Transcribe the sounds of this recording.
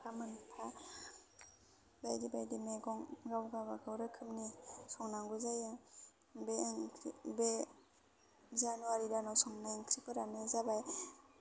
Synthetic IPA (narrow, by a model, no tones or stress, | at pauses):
pʰamɯnpʰa | bajdibajdimeɡɔŋɡawɡabaɡawɾɯkʰɯmnisɔŋnaŋɡuzaja | beŋbe | zanuaɾidanasɔŋnaeŋkʰɾipʰɯɾanɯzabaj